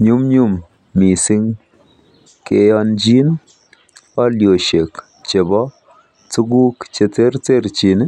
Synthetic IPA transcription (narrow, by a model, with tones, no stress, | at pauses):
ɲu˦mɲu˦mː | i˨si˦ŋ | ke˨ja˧nd͡ʒi˦n | pa˦ljo˨ʃe˨k | t͡ʃe˨bɔ˦ | t͡su˦ɡu˦kt͡ʃe˨t͡se˦ɾt͡se˦ɾt͡ʃi˨n˦